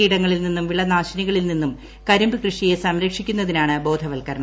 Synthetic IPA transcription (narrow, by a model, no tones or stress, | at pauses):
iːɽɐŋːɐɭilninːumʋiɭːɐnaːɕɐniɣɐɭilninːum | kɐɾumbɨkrɨʂije̞sɐmɾɐkʂikʲːun̪ːɐðinaːɳɨbo̞ːd̪ʱɐʋɐlkɐɾɐɳɐ